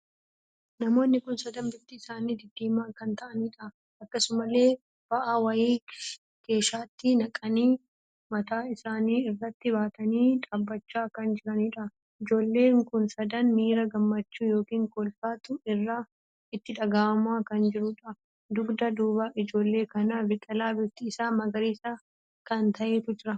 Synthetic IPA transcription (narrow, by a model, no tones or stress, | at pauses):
nɐmo̞ːnːɪkʊnsɐd̪ɐnbɪt̪ːɪːsaːniːd̪ɪd̪ːeːmaːkɐnt̪ɐʔɐniːᶑɐ | ʔɐkːɐsʊmɐle̞ː | b̥ɐʔawɐjiː | ke̞ːʃaːt̪ːɪnɐkʼɐniː | mɐt̪aːɪsaːniːɪrːɐt̪ːɪβaːt̪ɐniːᶑɐːbːɐt͡ʃːaːkɐnd͡ʒɪɾɐniːᶑɐ | ɪd͡ʒo̞ːlːe̞ːŋkʊnsɐd̪ɐnmiːɾɐɡɐmːɐt͡ʃːuːjo̞ːkiːŋkɔlfaːt̪ʊɪrːaː | ɪt̪ːɪᶑɐɡaːɐmaːkɐnd͡ʒɪɾʊᶑɐ | d̪ʊɡd̪ɐd̪uːbaːʔɪd͡ʒo̞ːlːe̞ːkɐnabɪt̪ʼɐlaːbɪt̪ːiːsaːmɐɡɐɾiːsa | kɐnt̪ɐʔeːt̪ʊd͡ʒɪɾɐ